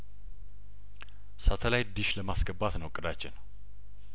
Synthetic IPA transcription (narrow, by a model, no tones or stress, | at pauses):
sat̪ʰəlajd̪ɨʃləmasɡəbːat̪nəwkʼɨd̪at͡ʃːɪn